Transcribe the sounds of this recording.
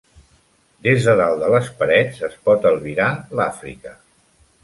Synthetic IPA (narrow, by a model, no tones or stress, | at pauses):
d̪ezðəðalˠd̪ələspəɾɛd͡zəspɔt̪əlˠβiɾalafɾḭkə